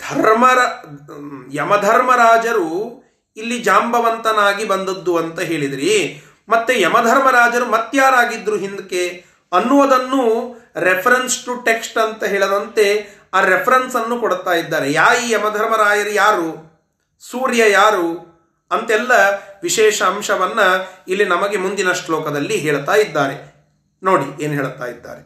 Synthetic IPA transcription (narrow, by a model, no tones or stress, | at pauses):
d̪ʱɐɾmɐɾa | jɐmɐd̪ʱɐɾmɐɾaːd͡ʒɐɾu | ilːid͡ʒaːmbɐʋɐnt̪ɐnaːɡibɐnd̪ɐd̪ːuɐnt̪ɐɦe̞ːɭid̪ɾi | mɐt̪ːejɐmɐd̪ʱɐɾmɐɾaːd͡ʒɐɾumɐt̪ːjaːɾaːɡid̪ɾuɦind̪ke | ɐnːuʋɐd̪ɐnːuɾepʰɐɾensʈuʈe̞ksʈɐnt̪ɐɦeːɭɐd̪ɐnt̪e̞ | aːɾepʰɐɾɐnsɐnːukɔɽt̪aːjid̪ːaːɾe̞jaːɾijɛmɐd̪ʱɐɾmɐɾaːd͡ʒɐɾujaːɾu | suːɾjɐjaːɾu | ɐnt̪ɛlːɐʋiʃɛːʃɐːmʂɐʋɐnːɐilːinɐmɐɡe̞mund̪inɐʂʈlɔːkɐd̪ɐlːiɦeːɭt̪aːjid̪ːaːɾe̞ | no̞ːɽḭeːnuɦeːɭt̪a̰ːjid̪ːa̰ːɾe